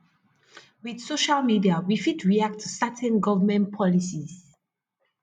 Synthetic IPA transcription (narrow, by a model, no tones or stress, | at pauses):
wið̥soʃalmidiawifidɹiak̚tʰːusatʰɛ̃nɡɔvəmɛ̃npʰɔlisiz̥